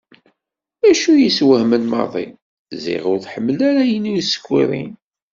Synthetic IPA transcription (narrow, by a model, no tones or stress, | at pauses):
æʃujiswəhmənmɑ̰ɾðˤḭ | zḭʁʊɾθħəmːəlæɾæjənujsə̥kʷːiɾˤḭn